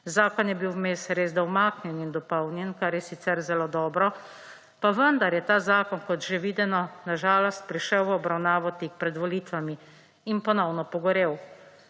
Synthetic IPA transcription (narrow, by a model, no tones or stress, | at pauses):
zaːkɔnjɛbiwmeːsɾeːzd̪awmaːknjɛnind̪ɔpɔwnjɛnkaɾjɛsit̪sɛɾzɛloːd̪ɔːbɾɔ | paʋənd̪aɾjɛt̪aːzaːkɔnkɔt̪ʒeʋiːd̪ɛnɔnaʒaːlɔst̪̚pɾiʃəwʋɔbɾawnaːʋɔt̪ik̚pɾɛd̪ʋɔlit̪ʋami | inpɔnɔwnɔpɔɡɔɾeːw